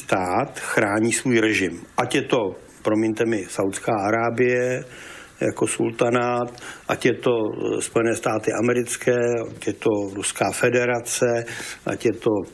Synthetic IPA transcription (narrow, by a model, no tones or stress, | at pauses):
st̪aːt̪xɾaːɲiːsvuːjɾɛʒɪmʔacjɛt̪o̞ | pɾomɪɲt̪ɛmɪsawt̪skaːʔaɾaːbɪjɛ | ja̰ko̞sṵlt̪anat̪ʔa̰cjɛt̪o̞spojɛnɛːst̪aːt̪ɪʔamɛɾɪt͡skɛːacjɛt̪o̞ɾuskaːfɛdɛɾat͡sɛʔa̰cjɛt̪o̞